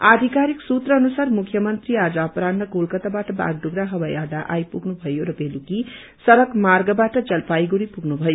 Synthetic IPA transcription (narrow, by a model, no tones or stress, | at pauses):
ad̪ʱikaɾiksut̪rʌːnusarmukʰːjʌmʌnt̪riad͡zʌʌpɾannʌkulkʌt̪abaʈʌba̰ɡ̚ɖuɡɾaɦʌbʌjʌrd̪aʔajpuɡnubʱʌjoɾʌbeluki | sʌɾʌkmarɡʌbaʈʌd͡zʌlpajɡuɾipuɡnubʱʌjo